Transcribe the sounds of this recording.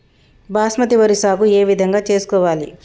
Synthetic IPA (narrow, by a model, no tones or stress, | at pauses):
baːsmɐt̪iʋɐɾisaːkue̞ːʋid̪ʱɐŋɡaːt͡ʃe̞ːsu̥kɔːʋaːlḭ